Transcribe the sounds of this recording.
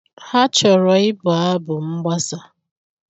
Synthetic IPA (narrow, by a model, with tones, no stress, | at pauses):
ha˦t͡ʃɔ˨ɾɔ˨ɪ˦bʊ˨a˦bʊ˨ŋ͡m̩˦ɡ͡ba˦sa˨